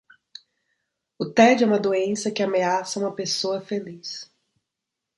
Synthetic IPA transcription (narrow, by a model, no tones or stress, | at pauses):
ʊt̪ɛd͡ʒɛũmɐd̪oẽsɐkɪameasɐũmɐpesoɐfelis